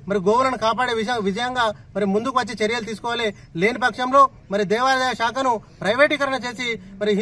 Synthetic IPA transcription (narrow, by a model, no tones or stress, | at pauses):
mɐɾiɡoːʋɐnɐnukaːp̬aːɽeːʋiʃɐjɐʋid͡ʒɐjɐŋɡaːmɐɾimund̪ukuʋɐt͡ʃːet͡ʃeɾijɐlut̪̬iːs̬u̥kɔːʋale | le̞ːnipɐkʂɐmlo̞ː | mɐɾid̪ɛːʋaːɾɐd̪ɐjɐʃaːkɐnupɾɐjʋeːʈikɐɾɐɳɐt͡ʃe̞ːsimɐɾiɦ